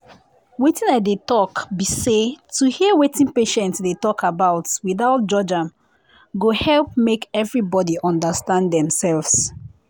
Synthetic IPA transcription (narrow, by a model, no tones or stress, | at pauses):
wetĩnaɪdetɔkbisetʰuhiəwetĩnpeʃɛ̃ntsdetɔkʰabaʊtwiðaʊt̚d͡ʒɔd͡ʒãm | ɡohɛlˠp̚mekɛvɹibɔdiʔɔ̃ndəstãnddɛ̃msɛlvs